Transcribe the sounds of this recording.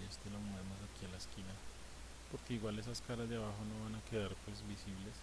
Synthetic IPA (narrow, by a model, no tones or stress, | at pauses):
est̪elomoemosakialaeskina | po̞ɾke̞iɣwale̞saskaɾazd̪eaβaxo̞noβanake̞ðaɾpwe̞zbisiβle̞s